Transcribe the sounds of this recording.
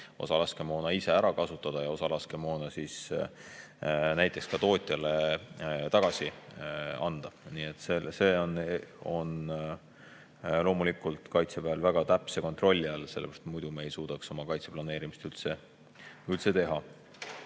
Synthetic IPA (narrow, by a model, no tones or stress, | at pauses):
o̞̰sɑlɑske̞mo̞ːnɑise̞æɾɑkɑsut̪ːˑɑd̪̥ɑjɑo̞sɑlɑske̞mo̞ːnɑsiːs | næjt̪ːˑe̞kskɑt̪o̞ːt̪ʲˑjɑlet̪ɑɡ̥ɑsi | ɑ̰nd̪̥ɑniːet̪ːˑsese̞ːono̞n | lo̞ːmulikˑult̪ˑkɑjt̪sepeæɑlvæɡ̥ɑt̪æpse̞ko̞nt̪ro̞lʲːiɑlse̞l̰ːɾɑst̪t̪mujd̪̥umeːjsuːd̪̥ɑkso̞mɑkɑjt̪se̞plɑne̞ːɾimist̪ylt̪se̞ | ylt̪se̞t̪e̞ɦɑ